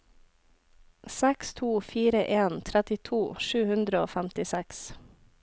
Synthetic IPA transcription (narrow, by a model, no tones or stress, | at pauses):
sɛkst̪ʰuːfiːɾəʔeːnt̪ʰɾæt̪ɪt̪ʰuːʃʉːhʉnd̪ɾəoːfæmt̪ɪsɛks